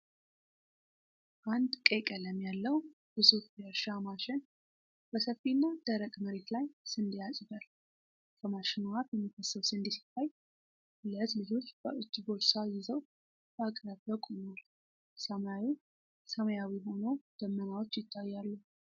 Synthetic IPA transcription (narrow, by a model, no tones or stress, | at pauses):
ʔand̪kʼekʼələmjalːəw | b̥ɨzufeɾʃamaʃɪn | b̥əsəfːinːad̪̥əɾəkʼməɾe̞t̪lajsɨnd̪ijasʼbəl | kʰəmaʃɪnuhat̪jɛmːikːəsːəwsɨnd̪isɨ̥t̪ʰːaj | ləzlɨd͡ʒo̞t͡ʃːb̥əʔɨt͡ʃʼːɡo̞lsajːɪzəw | bakʼɾəbbəkʼunal | səmaji | səməjawiɦo̞nəwd̪̥əmːənawot͡ʃːjɪt̪ʰːajːalːu